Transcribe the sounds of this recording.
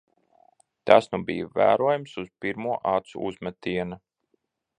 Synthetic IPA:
t̪asnubijvæ̰ːɾuɔjumsuz̥piɾmuɔʔɑːt̪sṵʔuzmɛt̪iɛnu

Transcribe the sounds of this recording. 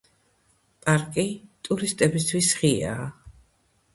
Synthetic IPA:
pʼaɾkʼit̪ʼuɾist̪ʼɛbist̪ʰwisʁia̰ː

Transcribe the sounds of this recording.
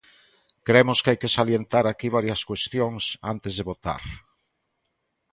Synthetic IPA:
kɾemoskeajkesaljent̪aɾakiβ̞aɾjaskwest̪joŋsa̰nt̪ezðeβot̪a̰ɾ

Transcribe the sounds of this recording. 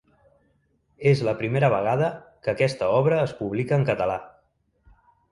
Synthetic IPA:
ezləpɾimeɾəβ̞əɣ̞aðəkəkɛst̪əɔβɾəːspuβlikəːŋkət̪əla

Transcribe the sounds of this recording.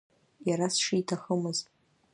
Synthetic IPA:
jaɾasʂiːtʰaχəmɨzʼ

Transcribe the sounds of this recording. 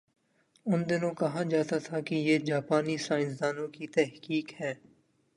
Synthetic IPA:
ʊnd̪ɪnõːkəɦaːd͡ʒaːt̪at̪ʰaːkijeːd͡ʒaːpaːniːsaːɪnsd̪aːnõːkiːt̪ɛɦkiːkhɛː

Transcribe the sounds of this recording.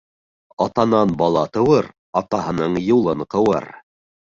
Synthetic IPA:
ɑt̪ɑnɑnbɑlˠɑt̪ɤ̆wɤɾ | ɑt̪ɑɦɤ̆nɤɴjulˠɤɴqɤ̆wɤ̰ɾ

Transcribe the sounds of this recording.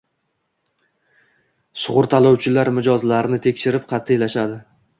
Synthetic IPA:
sʊʁʊɾt̪ʰalˠɒwt͡ʃʰɪlaɾmɪd͡ʒɒzlaɾnɪt̪ʰe̞kʲʃɪɾɪpqʰɑt̪ʰːɪelaʃad̪ɪ

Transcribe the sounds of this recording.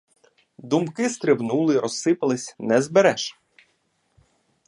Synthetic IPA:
d̪umkɪst̪ɾɪwnulˠɪɾɔsːɪpɐlˠɪsʲnɛzbeɾɛʃ

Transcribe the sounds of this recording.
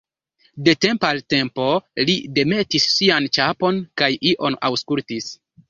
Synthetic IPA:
de̞te̞mpalte̞mpo̞lide̞me̞tisːiant͡ʃapo̞nkajiʔo̞na̰wskultis

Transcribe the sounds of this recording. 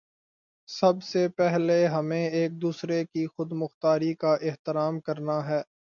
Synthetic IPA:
sɐbsepɛɦleɦɐmẽeːk̚d̪uːsɾekixʊd̪mʊxt̪aːɾikaʔɪɦt̪ɪɾaːmkɐɾnaɦɛː

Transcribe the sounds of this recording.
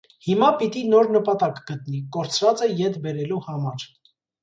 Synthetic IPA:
himɑpit̪inɔɾnəpɑt̪ɑkɡət̪nikɔɾt͡sʰvɑt͡sɛjɛt̪bɛɾɛluhɑmɑɾ

